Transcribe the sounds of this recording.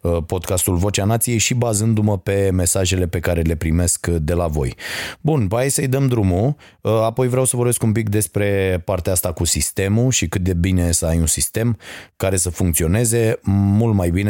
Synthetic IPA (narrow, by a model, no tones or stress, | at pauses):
əpo̞d̪kast̪ulvo̞t͡ʃeanat̪sije̞jʃibazɨnd̪uməpe̞me̞saʒe̞le̞pe̞kaɾe̞le̞pɾime̞skd̪e̞lavo̞̰jbunpəajsəɨjd̪əmd̪ɾumu | əapo̞jvɾeawsəvo̞rbe̞skump̬ik̚d̪e̞spɾe̞paɾrt̪eaast̪akusist̪e̞muʃikɨt̪̚d̪e̞bine̞səajunsist̪e̞mkaɾe̞səfuŋkt̪sio̞ne̞ze̞mult̪majbine